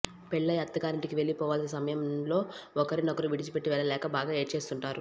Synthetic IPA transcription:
pɛɭːɐjɐt̪ːɐɡaːɾiɳʈikiʋe̞ɭːipɔːʋaːlɐsisɐmɐjɐmlo̞ːɔkɐɾinɐɡuɾuʋiɽit͡ʃipe̞ʈːiʋɛɭːɐlɛːkɐbaːɡaːe̞ːʈt͡ʃe̞ːst̪uɳʈaːɾu

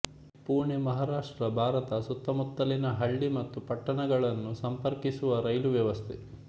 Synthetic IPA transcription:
puːɾɳemɐɦaːɾaːʂʈɾɐbʱaːɾɐt̪ɐsut̪ːɐmut̪ːɐlinɐɦɐɭːimɐt̪ːupɐʈːɐɳɐɡɐɭɐnːusɐmpɐɾkisuʋɐɾɐjluʋjɐʋɐst̪ʰe

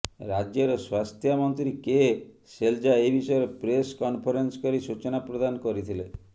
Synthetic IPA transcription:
ɾad͡ʒjɔɾɔswast̪ʰjamɔnt̪ɾike | seld͡ʒaejbisɔeɾepɾeskɔnpʰɔɾenskɔɾisut͡ʃɔnapɾod̪ankɔɾit̪ʰile

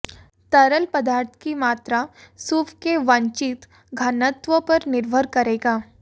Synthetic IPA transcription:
t̪əɾəlpəd̪aɾt̪ʰkimat̪ɾasufʰkeʋãɲt͡ʃit̪ | ɡʱanət̪ʋəpəɾnɪɾbʱəɾkəɾeɡaː

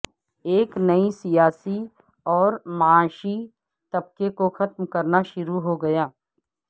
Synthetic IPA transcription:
eːknɐisijaːsi | ɔːɾmɐaːʃi | t̪ɐb̚kekoxɐt̪mkɐɾnaʃʊɾuɦoɡɐjaː

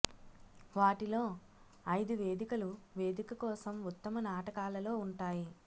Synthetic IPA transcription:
ʋaːʈilo̞ː | ɐjd̪uʋe̞ːd̪ikɐluʋe̞ːd̪ikɐkɔːsɐmut̪ːɐmɐnaːʈɐkaːlɐlo̞ːuɳʈaːji

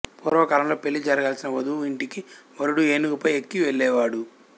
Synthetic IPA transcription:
puːɾʋɐkɐːlɐmlo̞ːpe̞ɭːid͡ʒɐɾɐɡaːlsinɐʋɐd̪uiɳʈikiʋɐɾuɽueːnukɐpɐjekːiʋeɭːɛːʋaːɽu

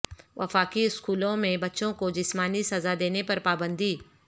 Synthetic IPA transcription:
ʋɐ̰faːkiɪskuːlõmẽbɐtːʃõkod͡ʒɪsmaːnisɐzad̪eːnepɐɾpaːbə̃nd̪iː

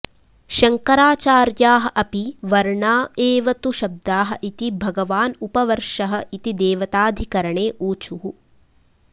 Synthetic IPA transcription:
ʃɐŋkɐɾaːt͡ʃaːɾjaːɦɐ̆ʔɐpiʋɐɾɳaːeːʋɐt̪uʃɐb̚d̪aːɦɐ̆ʔit̪ibʱɐɡɐʋaːnupɐʋɐɾʂɐɦɐ̆it̪id̪eːʋɐt̪aːd̪ʱikɐɾɐɳeːʔuːt͡ʃuɦu

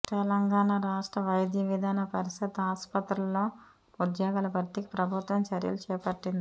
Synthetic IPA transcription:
t̪ɛlɐŋɡaːɳaɾaːʂʈɾɐʋɐjɐd̪jɐʋid̪ʱaːnɐpɐɾisɐt̪ːaːspɐt̪ɾulːo̞ː | ud̪jaːɡaːlɐpɐɾt̪ikipɾɐbʱut̪ʋɐmt͡ʃɐɾjɐ̰lut͡ʃɛːpɐʈːind̪i

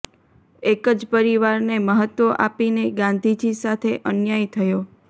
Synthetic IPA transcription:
ekəd͡ʒpəɾiʋaɾneməɦət̪ʋoʔapineɡãnd̪ʱid͡ʒisat̪ʰeʔənjajt̪ʰəjo

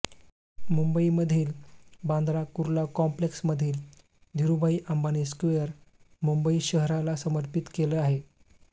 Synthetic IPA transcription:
mumbəiməd̪ʱiːlbãnd̪ɾakuɾlakɔmpleksməd̪ʱiːl | d̪ʱiɾubʱəiʔəmbaniskʋeəɾ | mumbəiːɕəɦɾalasəməɾpit̪keləːaɦe

